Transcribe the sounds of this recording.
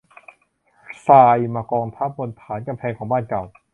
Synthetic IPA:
saː˧jmaː˧kɔː˧ŋt̪ʰaː˦˥˩p̚wo˧nt̪ʰaː˩˦nka˧mpʰɛː˧ŋkʰɔː˩˦baː˥˩nka˨˩w

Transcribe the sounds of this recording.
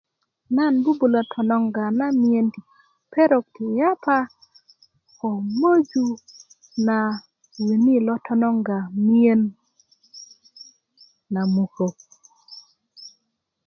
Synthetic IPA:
na˦˨nbu˦bu˨lɔ˨tʰɔ˨nɔ˨ŋɡa˨na˦mi˦e˦ni˨ | pɛ˦ɾɔ˨ktɪ˨ja˦pa˦ | ɔ˨mo˦d͡ʒu˨˦ | na˨ | wi˨ni˦lɔ˦tʰɔ˦nɔ˦ŋɡa˨mi˦e˦n | a˨mu˨ko˨

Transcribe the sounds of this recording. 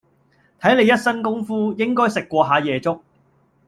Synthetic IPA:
t̪ʰɐ˨˥jne˨˧jɐ˥t̚sɐ˥nkʊ˥ŋfuː˥jɪ˥ŋkɔː˥jsɪ˨kːʷɔː˧ɦaː˨˧jɛː˨˧t͡sʊ˥k̚

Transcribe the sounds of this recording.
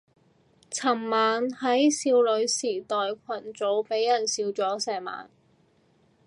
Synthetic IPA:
t͡sʰɐ˨˩mmaː˨˧nhɐ˨˥jsiː˧wlɵ˨˧ɥsiː˨˩t̪ɔː˨jkʷʰɐ˨˩nt͡so˨˥wpe˨˥jːɐ˨˩nsiː˧wt͡sɔː˨˥sɛː˨˩ma̰ː˨n

